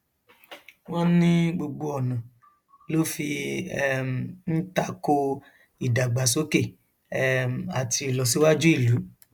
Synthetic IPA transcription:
w̃ɔ̃˦nĩ˦ɡ͡bo˧ɡ͡bo˧ɔ˨nã˨ | lo˦fi˧˦ | m̩˨n̩˦ta˧ko˧ | i˨da˨ɡ͡ba˨so˦ke˦˨˦ | m˨a˨ti˧˨lɔ˨s̬i˨˦wa˦d͡ʒu˦i˦˨lu˨˦

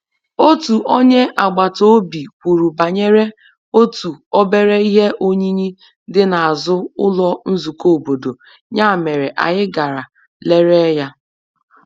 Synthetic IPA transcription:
o˦tu˨ʔo˦ɲe˦ʔa˨ɡ͡ba˨to˦bi˨kʷu˨ɾu˨ba˨ɲe˦ɾe˦ | o˦tu˨o˦be˦ɾe˦i˦ɦe˦ʔo˦ɲi˦ɲi˦ | dɪ˦na˨a˨zʊ˦ʊ̰˦lɔ˦n̩˦zu˨ko˦˨o˨bo˨do˨ | ɲa˦˨me˨ɾe˨ʔa̰˨ɣɪ˦ɡa˨ɾa˨ | le˦ɾe˦ja˦

